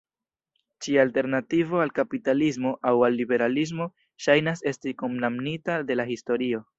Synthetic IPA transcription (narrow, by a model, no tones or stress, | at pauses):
t͡ʃialte̞ɾnativo̞alkapitalismo̞ʔawalːibe̞ɾalis̬mo̞ | ʃajnase̞stikomnamnitade̞lahisto̞ɾio̞